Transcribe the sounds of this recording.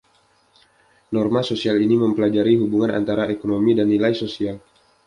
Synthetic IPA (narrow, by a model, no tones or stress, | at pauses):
nɔrmasosialiniməmpəlad͡ʒaɾiɦubuŋana̰nt̪aɾaʔekonomidanːilajsosial